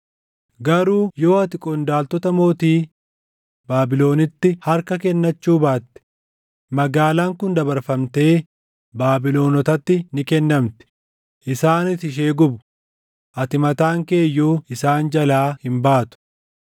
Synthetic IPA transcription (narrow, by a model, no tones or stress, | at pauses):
ɡɐɾuːjo̞ːɐt̪ɪkʼɔnd̪aːlt̪ɔt̪ɐmo̞ːt̪iː | baːbɪlo̞ːnɪt̪ːɪhɐɾkɐkɛnːɐt͡ʃːuːbaːt̪ːɛ̥ | mɐɡaːlaːŋkʊnd̪ɐbɐɾfɐmt̪e̞ː | baːbɪlo̞ːnɔt̪ɐt̪ːɪnɪkɛnːɐmt̪ɛ̥ | ʔɪsaːnɪt̪ɪʃ̬e̞ːɡʊbʊ̥ | ʔɐt̪ɪmɐt̪aːŋke̞ːjːuːɪsaːnd͡ʒɐlaːhɪmbaːt̪ʊ̥